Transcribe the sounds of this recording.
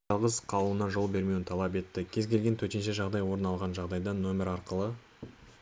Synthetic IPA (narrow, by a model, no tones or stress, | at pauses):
ɑlˠʁəzqʰɑlˠuənɑʒo̞lˠbe̞ɾme̞wɪnt̪ʰɑlˠɑpe̞t̪ːɪkʲʰe̞zkʲʰe̞lɡʲe̞nt̪ʰɵt̪e̞nʃe̞ʒɑʁd̪ɑjwo̞ɾənɑlˠʁɑnʒɑʁd̪ɑjd̪ɑno̞mʲe̞ɾɑɾqəlˠə